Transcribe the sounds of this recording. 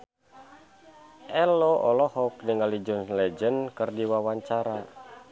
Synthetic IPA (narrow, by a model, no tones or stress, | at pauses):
ʔɛlɔʔɔlɔhɔkniŋɡalid͡ʒɔnlɛd͡ʒənkɨrdiwawaɲt͡ʃaɾa